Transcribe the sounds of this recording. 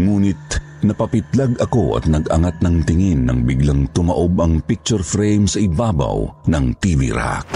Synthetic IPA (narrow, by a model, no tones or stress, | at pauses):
ŋuːnɪt̪̚ | nɐpɐpɪt̪laɡɐko̞ʔɐ̰t̪̚nɐɡʔɐŋat̪̚nɐŋt̪ɪŋinːɐ̰ŋbiɡlɐŋt̪ʊmɐʔobɐŋpik̚t͡ʃʊɹfɾɛjmsɐʔɪbaːbɐ̰wnɐŋt̪ivḭɾa̰k